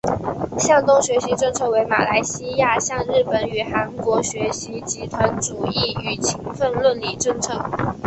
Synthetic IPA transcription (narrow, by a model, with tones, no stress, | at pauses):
ɕjɑ˥˧ŋt̪ʊ˥ŋɕɥɛ˧˥ɕi˧˥ʈ͡ʂɤ˥˧ŋt͡sʰɤ˥˩we˧˥ɪma̰˨˩la˧˥ɪɕi˥ja˥˧ɕjɑ˥˧ŋɻɻ̩˥˩pə˨˩ny˨˩xa˧˥nkwɔ˧˥ɕɥɛ˧˥ɕi˧˥t͡ɕi˧˥t̪ʰwa˧˥nʈ͡ʂu˨˩i˥˩y˨˩t͡ɕʰi˧˥ŋfə˥˧nlwə˥˩nli˨˩ʈ͡ʂɤ˥˧ŋt͡sʰɤ˥